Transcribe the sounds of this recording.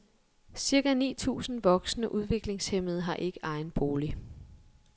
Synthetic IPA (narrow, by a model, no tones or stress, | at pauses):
siɐɡ̥ænḭːt͡sʰṵːsn̩ʋɒ̽ɡ̥snəʔuð̞ˠʋe̝ɡ̥le̝ŋshem̰ð̞̩ˠɦɑ̈ʔe̝ɡ̥əʔɑ̈ɪnb̥o̝ːli